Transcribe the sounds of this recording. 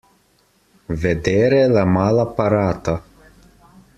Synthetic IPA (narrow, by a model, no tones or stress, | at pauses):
ved̪eɾelamalˠapaɾat̪a